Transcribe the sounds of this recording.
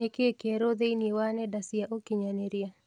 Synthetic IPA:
ekekeɾod̪einiwanɛdasiaʔokiɲaneɾia

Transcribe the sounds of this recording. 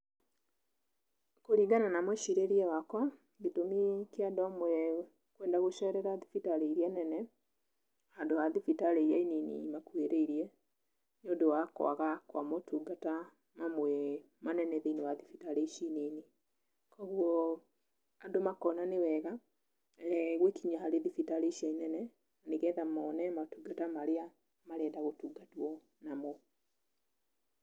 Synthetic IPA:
koɾiɡananamwɛʃiɾeɾiɛwakwa | ɡetomikeadɔmoɛ | kwɛndaɣoʃɛɾɛɾaðifitaɾeiɾianɛnɛ | andoaðifitaɾeiɾaininḭmakweɾeiɾiɛ | nodowakw̰a̰ɣakwa̰motʰuːɡata | mamwɛ | manɛnɛðeinewaðifitaɾeiʃineni | kɔɣwɔ | adomakɔnanewɛɣa | ɛɣwekiɲaɦaɾeðifitaɾeʃainɛnɛ | aneɣɛðamɔnɛmatuɡatamaɾea | maɾɛːdaɣotuːɡatwɔ | namɔ

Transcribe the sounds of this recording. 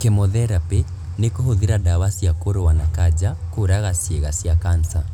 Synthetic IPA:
kemoðɛɾape | nekohoðiɾadawasjakoɾowanakad͡ʒakoɾaɣasjeɣasjakansa

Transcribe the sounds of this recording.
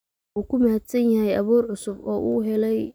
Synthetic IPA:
uːkʰʊmahɐd̪sɐnjɐɦɛjɐβuːrʕʊsʊbɔːʔuːɦɛlɛj

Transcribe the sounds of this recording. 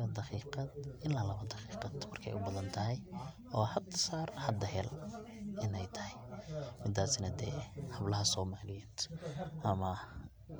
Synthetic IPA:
d̪ɑqiːqɑd̪ɪnlaːlɐβɐd̪ɑqiːqɑd̪mɐrkʰɛ̰jʔʊbɐðɐnt̪ʰɐɦɛjʔɔːhɐd̪saːrhɐd̪ɐɦɛl | ʔɪnɛjt̪ʰɐhɛjmɪd̪aːsɪnɐd̪ɛ̰ːhɐblɐɦɐsɔːmaːlɪjɛːd̪̥ʔɐmɐ

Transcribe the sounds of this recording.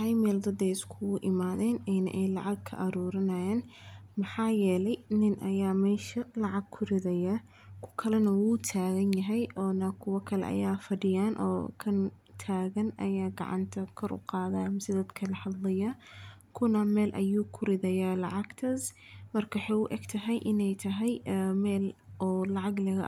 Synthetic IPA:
ɐjmɛːld̪ɐd̪ɛjɪskʰʊɣʊʔɪmaːðɛːnɛnɐ̰ʔɛjlɑʕɑɡ̚kʰɐ̰ʔɐɾuːɾɐnɐjɛːnmɐħɑːjɛːlɛjnɪnʔɐjaːmɛːʃɐlɑʕɑɡ̚kʰʊɾɪðɐjɐ | kʰʊ̥kʰɐlɛnɐwuːt̪ʰaːɣɐnjɐɦɛjʔɔːnɐkʰʊwɐkʰɐlɛ̰ʔɐ̰jaːfɐɖɪjaːnʔɔ̰ːkʰɐn | t̪ʰaːɣɐnʔɐ̰jaːɡɑ̰ʕɑ̰nt̪ʰɐkʰɔɾʊ̰qɑːðaːmsɪðɐd̪kʰɐlɐħɐd̪lɐjakʰʊnɐmɛːlʔɐ̰juːkʰʊɾɪðɐjaːlɑʕɑɡt̪ʰɐsmɐrkʰɐwħɑjʊʔɛ̰ɡt̪ʰɐɦɛjʔɪnɛjt̪ʰɐɦɛjmɛːlɔːlɑʕɑɡlɐɣɐ̰

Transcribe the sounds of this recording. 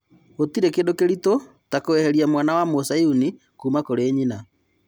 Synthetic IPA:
ɣotiɾekeːndokeɾito | takoɛhɛɾiamwanawamosajuni | kuːmakoɾeːɲina

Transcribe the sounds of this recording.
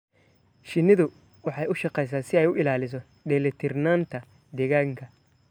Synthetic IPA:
ʃɪnɪðʊ | wɑħɑjʊʃɑqɛjs̬aːsɪɛjʊʔɪlaːlɪs̬ɔ | ɖɛːlɛt̪ʰɪrnaːnt̪ʰɐ | d̪ɛːɣaːŋkʰɐ

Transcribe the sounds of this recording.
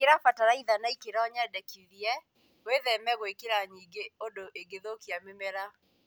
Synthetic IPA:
keɾafataɾaiðanaikeɾaɔɲadɛkiðiɛ | weðɛmɛɣwekeɾaɲiɡeodoʔeɡeðokiamemɛɾa

